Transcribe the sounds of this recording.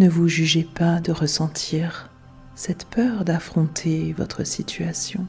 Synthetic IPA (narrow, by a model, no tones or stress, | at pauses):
nəvuʒyʒepad̪əʁəsɑ̃t̪ʰiʁ | sɛt̪pœʁd̪afχɔ̃t̪ʰevɔ̰t̪χəsit̪ʰɥasjɔ̰̃